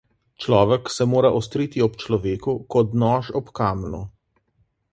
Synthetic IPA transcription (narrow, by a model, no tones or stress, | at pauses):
t͡ʃlɔːʋɛksɛmoːɾaʔɔst̪ɾiːt̪iɔpt͡ʃlɔʋeːkukɔd̪nɔʃɔpkaːmnṵ